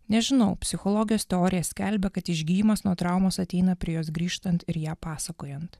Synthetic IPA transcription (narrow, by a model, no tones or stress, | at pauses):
nʲɛʒʲɪnɐʊpʲsʲɪxɔlˠɔːɡʲɪjoːst̪ʲɛoːɾʲɪjɛsʲkʲɛlʲbʲɛkɐt̪ɪʒʲɡʲiːjimɐsnuɔt̪ɾɑˑʊmoːsɐt̪ʲɛɪnɐpʲɾʲiɛjoːs̬ɡɾʲiːʃt̪ɐnt̪ɪɾjæːpɑːsɐkoːjɛnt̪